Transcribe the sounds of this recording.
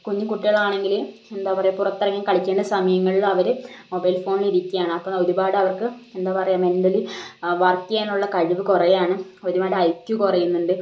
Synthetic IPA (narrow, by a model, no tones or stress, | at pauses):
koɲːumkuʈːiɣɐɭɐaːɳe̞ŋɡil | e̞nd̪aːpɐrɐjɐpurɐt̪ːɐrɐŋːɐmkɐɭit͡ɕʲːeːɳɖɐsɐmɐjɐŋːɐɭiɭːɐʋɐɾɨmobɐjlfo̞ːɳliɾikʲːijaːɳɨɐpːoo̞ɾubaːɽɐʋɐrkɨe̞nd̪aːpɐrɐjame̞ndɐliʋɐrt̪ijeːnːuɭːɐkɐɻiʋɨkurejaːɳɨoɾubaːɽɐjkjukurɐjunːuɳɖɨ